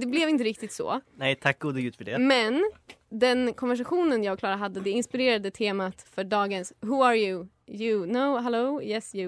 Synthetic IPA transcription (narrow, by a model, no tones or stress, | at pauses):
d̪ɛblɛvɪnt̪əɾɪk̚t̪ɪt̪sɔ̰ːnɛjt̪ʰak̚ːɡ̥uːd̪əɡʉːt̪fœɖɛmɛnd̪ɛnkʰɔnvæʂ̬aɧuːnənjɑːɡkʰlɑːɾaɦad̪ːəd̪ɛɪnspɪɾeːɾad̪ət̪ʰeːmat̪fœɖɑːɡənsɦɵaɾjʉ | jɵnoʊɦɛloʊjɛsjʉ